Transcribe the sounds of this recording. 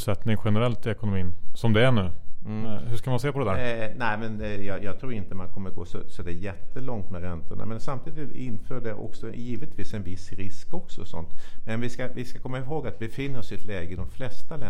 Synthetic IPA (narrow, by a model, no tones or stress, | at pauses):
sɛt̪nɪŋɧɛnɛɾɛlt̪ɪɛkʊnʊmiːnsɔmd̪ɛæɳʉ̟ː | hʉʂkamanseːpʰɔd̪ɛd̪æːɾnɛɪmɛnjɑːjɑːt̪ʰɾuːɾɪnt̪əmankʰɔmːəɾɡo̰ːsɔ̰sɔd̪ɛjɛt̪ːəlɔŋt̪mɛɾɛnt̪ʊɳa̰mɛnsamt̪ʰiːd̪ɪt̪ɪɪnføːɖɛʔɔ̰ksɔjiːvɪt̪viːsɛnvɪsɾɪskɔksɔsɔ̰nt̪mɛnvɪskavɪskakʰɔmːaɪɦoːɡat̪̚bɛfɪnːəɾɔsɪt̪lɛːɡəɪd̪ɔmflɛst̪alɛ